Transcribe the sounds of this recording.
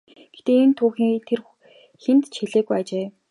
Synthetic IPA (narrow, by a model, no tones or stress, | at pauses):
ɡ̥et̪eːent̪ʰʊːxiːŋt̪ʰer | xent̪t͡ɕʰxeɮeːɣujat͡ɕeː